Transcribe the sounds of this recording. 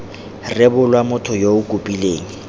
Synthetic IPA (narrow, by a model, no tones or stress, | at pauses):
rɪbʊlwamʊtʰɔjoʊkʼupʼileːŋ̩